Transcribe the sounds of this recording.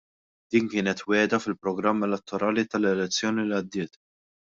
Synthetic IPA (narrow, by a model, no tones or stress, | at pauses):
d̪̥iːŋkɪːnɛt̪wɛːd̪ɐfɪlpɾɔɡɾɐmːɛlɛt̪ːɔɾɐːlit̪ɐlɛlɛt͡sːjɔːniliɐd̪ːɪːt̪